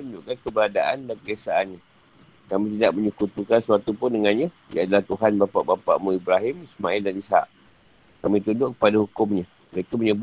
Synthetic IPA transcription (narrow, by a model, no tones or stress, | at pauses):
und͡ʒʊʔkankəbəɾadaʔa̰ndanpəɡasaʔanɲa | kamĩt̪̬idaʔməɲukut̪ukansəwat̪upʊndəŋanɲa | jã̰ʔadalaht̪uɦanbapa̰ʔbapa̰ʔmuibɾaɦɪmismaɪldanisha̰ʔ | kamĩt̪undʊʔkə̥padahukʊmɲa | məɾekaməɲəb